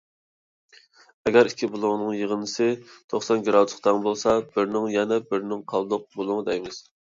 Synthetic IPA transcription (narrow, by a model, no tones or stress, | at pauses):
ɛɡʲɛɾikʲʰːibulˠʊŋnɨŋjəʁənɨsɨt̪ʰoχsɑnɡʲiɾɑwt̪ʰqt̪ɑŋbolˠsɑbɪɾnɪŋjɛnɛbɪɾnɪŋqʰɑlˠd̪ʊq̚bolˠʊŋəd̪ɛjmɪz̥